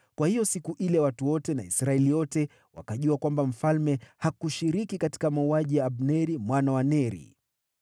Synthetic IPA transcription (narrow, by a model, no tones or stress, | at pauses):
kwahijɔsikuʔilɛwatuwɔtɛnaisɾaɛliwɔtɛ | wa̰kaʄuakwambam̩falmɛhakuʃiɾikikati̥kamauaʄijaːbnɛɾimwanawanɛɾḭ